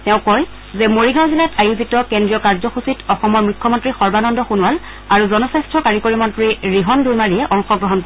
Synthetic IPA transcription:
tɛʊ̃kɔj | zɛmoɹiɡãw̃zilatajuzitɔkendɹijɔkaɹzɔxusitʰɔxɔmɔɹmujkʰːɔmɔntɹixɔɹbanɔndɔxunwal | aɹuzɔnɔsastʰɹɔkaɹikoɹimɔntɹiɹiɦɔndujmaɹiɛʔɔŋxɔɡɹɔɦɔnkɔ

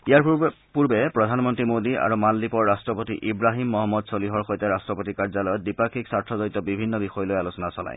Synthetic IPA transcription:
ijaɹ | puɹbɛpɹɔdʱanmɔntɹimodia̰ɹumalːipɔɹːastɹɔpotḭʔibɹaɦimːɔɦɔmːɔdsoliɦɔɹxojtɛɹastɹɔpotikaɹzalɔjɔt̚dipakʰiksaɹtʰɔzoɹit̪ɔbibʱinːɔbixɔjɔlojalusɔnasɔla̰j

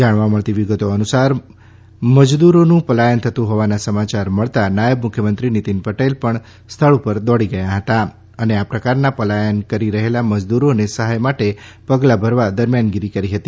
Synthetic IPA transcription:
d͡ʒaɽ̃ʋaməɭt̪iʋiɡət̪oənusaɾ | məd͡ʒd̪uɾonũpəlajənt̪ʰət̪ũɦoʋanasəmat͡ʃaɾməɭt̪anajəbmukʰjəmənt̪ɾinit̪inpəʈelpəɳ | st̪ʰəɭupəɾd̪ɔɽiɡəjaɦət̪a | əneapɾəkaɾnapəlajənkəɾiɾəɦelaməd͡ʒd̪uɾonesəɦajmaʈepəɡlabʱəɾʋad̪əɾmjanɡiɾikəɾiɦət̪i

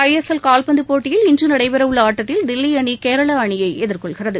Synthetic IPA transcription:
ɐjɛsɛlkaːlpɐnd̪ɯpoːʈːɪjɪlɪndrɯnɐɽɐɪʋɐɾɐʋɯɭaːʈːɐt̪ːɪld̪ɪlːiɐɳikeːɾɐɭɐːɳɪjɐɪʔɛðɪrkɔɭɣɪrɐðɯ

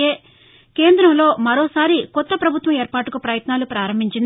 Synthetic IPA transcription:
eː | ke̞ːnd̪ɾɐmlo̞ːmɐɾo̞ːsaːɾikɔt̪ːɐpɾɐbʱut̪ʋɐmeːɾpaːʈukupɾɐjɐt̪naːlupɾaːɾɐmbʱiɲt͡ʃind̪

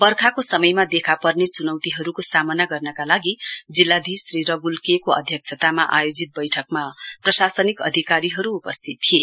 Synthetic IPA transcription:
bʌrkʰakosʌmʌjmad̪ekʰapʌrnet͡sunʌwt̪iɦʌɾukosamʌnaɡʌrnʌkalaɡid͡zilːad̪ʱisriɾʌɡulkekoʌ̰d̪ʱjʌk̚t͡ʃʰʌt̪amaʔa̰jod͡zit̪̚bʌjʈʰʌk̚maprʌsasʌnikʌ̰d̪ʱikaɾiɦʌɾuːpʌst̪ʰit̪̚ːʰie

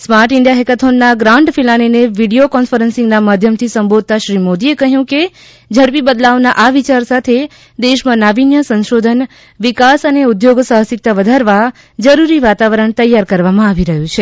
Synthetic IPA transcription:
smaɾʈɪɳɖjaɦekət̪ʰonːaɡɾaɳɖfilanineʋiɽiokɔnfəɾənsɪ̃ŋɡnamad̪ʱjəmt̪ʰisəmbod̪̚ʱt̪aʃɾimod̪iekəɦjũke | d͡ʒʱəɾpibəd̪laʋnaʔaʋit͡ʃaɾsat̪ʰe | d̪eʃmãnaʋinjəsə̃nʃod̪ʱən | ʋikasəneud̪joɡsəɦəsɪk̚t̪aʋəd̪ʱaɾʋa | d͡ʒəɾuɾiʋat̪aʋəɾəɳt̪əjːaɾkəɾʋamãaʋiɾəɦũt͡ʃʰe

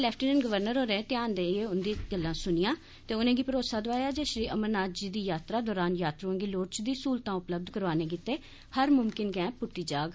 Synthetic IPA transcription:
lɛːpʰʈiːnəːnɡəʋəɾnəɾɦoːɾẽːt̪ɪaːnd̪ẽːeːʊnd̪iːɡəlːãːsʊnɪjãː | t̪eːʊnẽːɡiːpəɾoːsaːd̪oaːjaːd͡ʒeːʃɾiːəmənnaːd̪d͡ʒiːd̪iːjaːt̪ɾaːd̪ɔːɾaːnjaːt̪ɾũẽːɡiːloːʈt͡ʃd̪iːsuːlt̪ãːʊpləb̚d̪kəɾʋaːnẽːkɪt̪eː | həɾmʊmkɪnɡɛ̃ːpʊʈːiːd͡ʒaːɡ

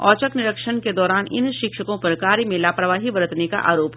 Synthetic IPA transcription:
ɔ̰ːt͡ʃəknɪɾəkʃənked̪ɔːɾaːnɪ̰nʃɪkʃəkõpɐɾkaːɾjəmẽlaːpɾɐʋaːɦibɐɾət̪neka̰ʔa̰ːɾoːp

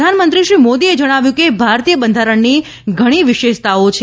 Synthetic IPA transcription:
anmənt̪̬ɾiʃɾimod̪ied͡ʒəɽ̃aʋjũkebʱaɾt̪ijəbənd̪ʱaɾəɳni | ɡʱəɽ̃iʋɪʃeʃt̪aot͡ʃʰ

